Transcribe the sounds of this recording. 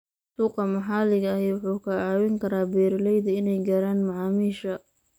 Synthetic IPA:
suːqɑmɐħaːlɪɣɐɐhɛwʊħuːkʰɐɑːwɪŋkʰɐɾaːbɛːɾlɛjðɐɪnɛjɡɐɾaːnmɐʕaːmiːʃɐ

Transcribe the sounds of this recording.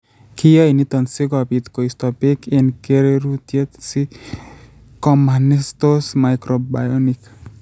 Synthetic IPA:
kʰijainit̪ɔnsekɔapit̪koist̪ɔpekʰenkeɾeɾut̪jet̪si | kɔmanest̪osmajkɾoba̰jɔnik

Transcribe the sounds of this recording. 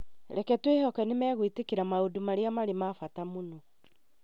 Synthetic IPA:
ɾɛkɛtwehɔkɛnemɛːɣwitekeɾamaodumaɾeamaɾemafatamono

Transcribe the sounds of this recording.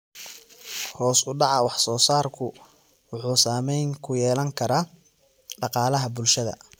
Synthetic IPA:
hɔːsʊɖɑʕɑwɑħsɔːsaːrkʰʊ | wʊħuːsaːmɛjŋkʰʊjɛːlɐŋkʰɐɾaː | ɖɑqɑːlɐɦɐbʊlʃɐðɐ̰

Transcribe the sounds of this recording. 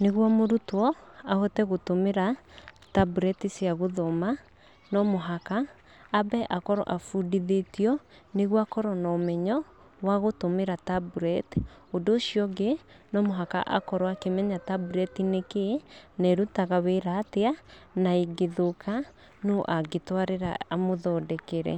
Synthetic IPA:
neɣwɔmoɾutwɔahɔtɛɣotomeɾatabuɾɛtisjaɣoðɔma | nɔmoɦakaː | bɛʔakɔɾɔ̰ʔafudiðetijɔneɣwakɔɾɔnɔomɛɲɔ | waɣotomeɾatabuɾɛtodoːʃijɔɡenɔmoɦaka̰ʔa̰kɔɾɔakemɛɲatabuɾɛtinekenɛɾutaɣaweɾateanaeɡeðokʰa | noʔaɡetwaɾeɾa̰amoðɔdɛkeɾɛ̰

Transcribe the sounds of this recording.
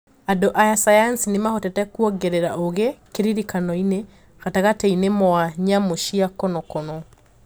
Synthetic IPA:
adoʔajasajansinemahɔtɛtɛkuɔɡeɾeɾa̰ʔoɣekeɾiɾikanɔine | ɣataɣatɛinemɔaɲamoʃiakɔnɔkɔnɔ

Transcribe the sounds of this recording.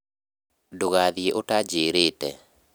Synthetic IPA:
doɣaðieʔotad͡ʒeɾetɛ

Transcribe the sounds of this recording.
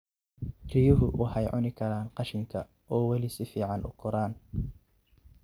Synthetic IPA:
rijʊɦʊwʔɑħɑjʕʊnɪkʰɐɾaːnqɑʃɪŋkʰɐ | ʔɔːwɐlɪsɪfiːʕɑnʔʊ̰ɡʰʊɾaːn

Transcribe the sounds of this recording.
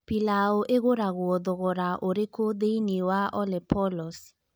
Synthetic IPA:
pilaoʔeɣoɾaɣwɔdɔɣɔɾaʔoɾekod̪einiwaʔɔlɛpɔlɔs

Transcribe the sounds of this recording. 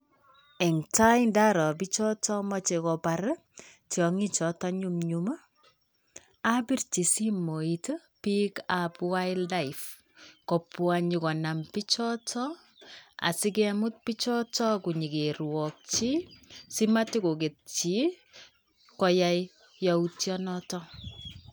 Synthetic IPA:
ɛŋtaindaɾɔpit͡ʃɔtɔmɔt͡ʃekɔpaɾ | tjɔŋit͡ʃɔtɔɲumɲuma | abirt͡ʃisimoit | pikapwajlːaif | kɔpwaɲikɔnampit͡ʃɔtɔ | a̰sik̬emut̚pit͡ʃɔtɔkuɲikerwɔk̚t͡ʃisimatikoket̚t͡ʃi | kɔjaj | jɔutjɔnɔtɔ

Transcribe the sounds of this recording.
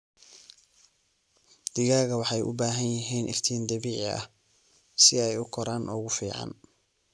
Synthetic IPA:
d̪̥ɪɣaːɣɐwɑħɑjʔʊ̰baːɦɐnjɐɦɛːnʔɪ̰rt̪ʰiːnd̪ɐβiːʕɪɐ̰h | sɪɛjʊkʰɔɾaːnʔɔːɣʊfiːʕɑ̰n

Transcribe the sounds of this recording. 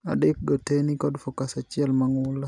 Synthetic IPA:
a̰dɪk̚ɡotenikɔdfokasat͡ʃɪɛlmaŋʊla

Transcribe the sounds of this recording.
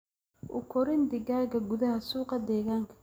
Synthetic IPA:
ʔʊ̰kʰɔɾɪnd̪ɪɣaːɣɐɡʊðɐhɐsuːqɑd̪ɛːɣaːŋkʰɐ̥

